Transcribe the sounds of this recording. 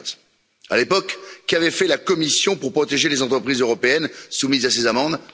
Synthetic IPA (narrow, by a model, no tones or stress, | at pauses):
t̪ | a̰lepɔkːavɛfɛlakɔmisjɔ̃puʁpχɔt̪eʒelezɑ̃t̪χəpχizøʁɔpeɛnsumizasezamɑ̃d̪